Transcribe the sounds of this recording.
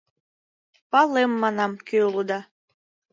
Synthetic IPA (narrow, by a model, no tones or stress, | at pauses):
pɑlemːɑnɑmkeulɤd̪ɑ